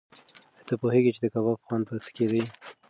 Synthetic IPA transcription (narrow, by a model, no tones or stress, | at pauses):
ət̪əpoheɡit͡ʃed̪əkaβɑfxwanpət͡sə̥ked̪əj